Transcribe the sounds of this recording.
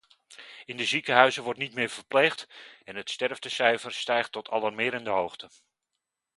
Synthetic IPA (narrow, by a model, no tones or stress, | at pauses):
ɪndəzikəɦœɥzəʋɔrtnitmɪːɹv̥əɹplejχtɛnɦətstɛɹvdəsɛjvəɹstɛjχtːɔtʰɑ̰lɑɹmɪːɾəndəɦowχtə